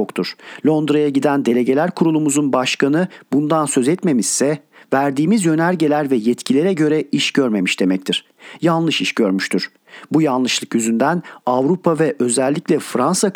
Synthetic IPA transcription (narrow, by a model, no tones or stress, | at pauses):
okt̪ʰuɾ̥lʲo̞nd̪ɾajaɟid̪ænd̪e̞lʲe̞ɟe̞lʲæɾkʰuɾulˠumuzunbaʃkanɯbund̪ansø̞zɛt̪me̞missːɛvæɾd̪iːmizjø̞næɾɟe̞lʲæɾvɛjɛt̪cʰilʲe̞ɾɛɟø̞ɾɛiʃɟø̞ɾme̞miʃd̪e̞mɛc̚t̪ʰiɾ̥ | janˠlˠɯʃiʃɟøɾmyʃt̪ʰyɾ̥ | bujanlˠɯʃlˠɯkjyzynd̪ænavɾupʰavɛʔø̞zælʲːiclʲɛfɾansak